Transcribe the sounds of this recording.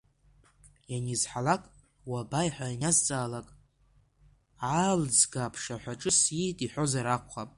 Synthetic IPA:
janizħalakʼ | wabajħʷajnazt͡sʼaːlakʼ | ʕald͡zɡapʰʂaħʷaʈ͡ʂʼɨsjitʼiħʷo̞zaɾakʷχapʼ

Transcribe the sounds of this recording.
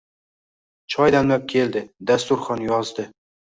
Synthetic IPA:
t͡ʃʰɒjd̪amlap̚kʲʰe̞ld̪ɪd̪ast̪ʊɾχɒnjɒzd̪ɪ

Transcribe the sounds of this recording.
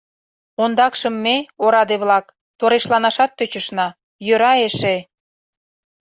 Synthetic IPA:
ond̪ɑkʃəmːeoɾɑd̪eβlɑk | t̪oɾeʃlɑnɑʃɑt̪ːøt͡ɕəʃnɑ | jøɾɑeʃe

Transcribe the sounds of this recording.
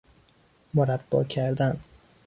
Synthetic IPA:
moɾæbːɒ̰ːcʰæɾd̪æn

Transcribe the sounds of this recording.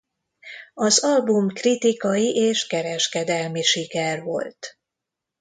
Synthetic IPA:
ɒzɒlbumkrit̪ikɒjiʔeːʃkɛɾɛʃkɛd̪ɛlmiʃikɛrvo̞̰lt̪

